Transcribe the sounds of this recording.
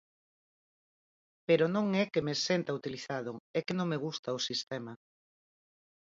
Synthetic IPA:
peɾonõŋɛkemesent̪ɐut̪iliθaðʊɛkenõŋmeɣust̪aosist̪ɛma

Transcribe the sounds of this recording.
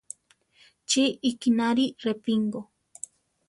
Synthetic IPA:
t͡ʃiːkinaɾirepiŋɡo

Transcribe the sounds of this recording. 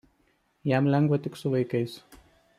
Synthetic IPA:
jæmlʲɛŋɡʋɐt̪ʲɪksʊʋɐɪkɐɪs

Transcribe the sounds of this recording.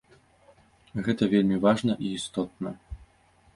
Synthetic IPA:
ɣɛt̪ɐvʲelʲmʲivaʐnɐʔiːst̪ɔt̪̚nɐ

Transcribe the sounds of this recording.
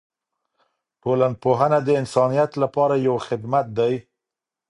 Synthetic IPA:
polanpoɦanad̪əɪnsɑnijat̪lapɑɾajawxɪd̪mat̪̚d̪aj

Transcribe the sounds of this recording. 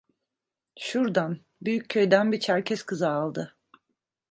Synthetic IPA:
ʃuɾd̪an | byjyccʰøjd̪ænbit͡ʃʰæɾcʰɛskʰɯzaːlˠd̪ɯ

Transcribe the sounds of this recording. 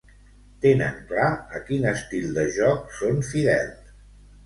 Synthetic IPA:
t̪enə̰ŋklaəkinəst̪ilˠd̪əʒɔksonfiðɛ̰lˠ

